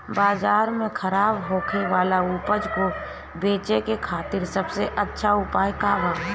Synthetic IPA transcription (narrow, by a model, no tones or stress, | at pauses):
baːzaːɾmẽkʰɐɾaːbɦoːkʰeʋaːlaupəd͡ʒko | beːt͡ʃekekʰaːt̪ɪɾsɐbseʔɐtːʃʰaʊpaːjkaːbaː